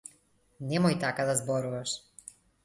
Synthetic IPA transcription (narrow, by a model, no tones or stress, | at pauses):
nɛmɔjt̪akad̪azbɔɾuvaʃ